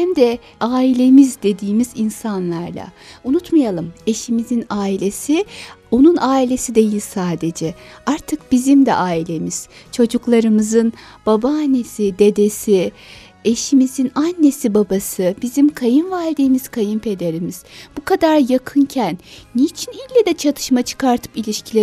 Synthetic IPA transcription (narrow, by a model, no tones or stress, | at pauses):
imd̪ɛ | aːilʲe̞mizd̪e̞d̪iːmizinsanlˠaɾlˠa̰unut̪majalˠɯme̞ʃimizinaːilʲe̞sio̞nunaːilʲe̞sid̪e̞jilʲsaːd̪e̞d͡ʒɛaɾt̪ʰɯkb̥izimd̪ɛ̰ʔaːilʲe̞miz̥t͡ʃʰo̞d͡ʒuklˠaɾɯmɯzɯn | b̥abaːnːe̞sid̪e̞d̪e̞si | e̞ʃimizinanːe̞sibabasɯbizimkʰajɯnvalʲd̪iːmiz̥kʰajɯmpʰe̞d̪eɾimiz̥b̥ukʰad̪aɾjakʰɯncʰænːit͡ʃʰinilʲːɛd̪ɛt͡ʃʰat̪ʰɯ̥ʃmat͡ʃʰɯ̥kʰaɾt̪ʰɯ̥pilʲiʃcʰilʲe